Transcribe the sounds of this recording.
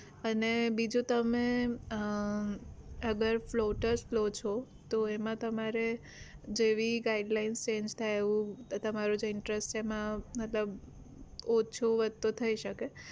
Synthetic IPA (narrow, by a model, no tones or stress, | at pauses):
ənebid͡ʒũt̪əmẽ | əɡəɾfloʈəɾsflot͡ʃʰo | t̪oemãt̪əmaɾe | d͡ʒeʋiɡaiɖlainst͡ʃẽd͡ʒt̪ʰajeʋũt̪əmaɾud͡ʒeɪɳʈɾesʈt͡ʃʰeːmãmət̪ləb | ot͡ʃʰuʋəd̪t̪ot̪ʰəiʃəke